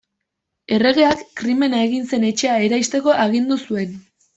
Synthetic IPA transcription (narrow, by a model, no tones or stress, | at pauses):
e̞re̞ɣe̞akːɾime̞nae̞ɣinse̞ne̞t͡ʃe̞ae̞ɾajst̪e̞ko̞ʔaɣind̪usue̞n